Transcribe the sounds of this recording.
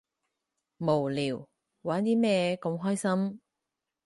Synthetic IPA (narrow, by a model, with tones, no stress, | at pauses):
mo˨˩wliː˨˩w | waː˨˥nt̪iː˥mɛː˥˧ko˧mɦɔː˥jsɐ˥m